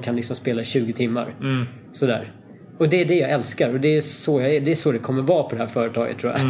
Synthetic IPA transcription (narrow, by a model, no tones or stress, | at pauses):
kʰanlɪksɔmspeːlaɪɕʉ̟ːɡət̪ʰɪmːa̰ɾ | sɔd̪æ̰ːɾ | ɔd̪ɛːɖɛjaːɛlskaɾɔd̪ɛːsɔjad̪ɛæʂɔd̪ɛkʰɔmːəɾvɑːpʰɔd̪ɛhæːɾfœːɾət̪ʰɑːɡə̰t̪ʰːɾuːja̰